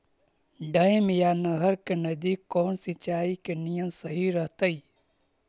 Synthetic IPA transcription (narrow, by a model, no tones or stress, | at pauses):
ɖɐɪmjaːnɐɦəɾkenɐzd̪iːkːoːnsɪt͡ʃaːikenijəmsəɦiɾɐɦt̪əiː